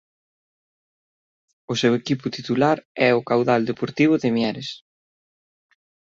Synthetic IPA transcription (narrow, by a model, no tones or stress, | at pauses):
ʊsewekipʊt̪it̪ulaɾɛʊkawðald̪epoɾt̪iβ̞ʊðɪmjɛɾɪs